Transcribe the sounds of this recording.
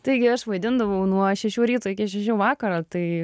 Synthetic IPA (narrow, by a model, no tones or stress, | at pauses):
t̪ɐɪɡʲɪɐʃʋɐɪd̪ʲɪnd̪ɐʋɐʊnuɔʃʲɛʃʲuːɾʲiːt̪uːɪkʲiɛʃʲɛʃ̬ʲuːʋɑːkɐɾɑt̪ɐɪ